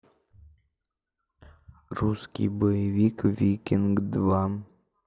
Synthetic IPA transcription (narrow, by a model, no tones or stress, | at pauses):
ruskʲḭjbəjɪvʲikvʲikʲinɡd̪va